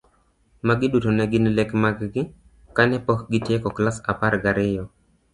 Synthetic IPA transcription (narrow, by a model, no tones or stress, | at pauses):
maɡɪdutonɛɡɪnlɛkmaɡɡɪ | kanɛpɔkɡɪtjekɔklasa̰paɾɡaɾɪjɔ